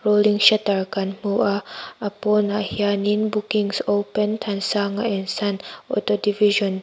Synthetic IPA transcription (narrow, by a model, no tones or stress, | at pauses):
ɹolĩŋʃatəɹkãnmuʔaapɔnahianĩnbukĩŋsopə̃ntʰãnsaŋaɛ̃nsãnɔ̰todiviʒɔ̃n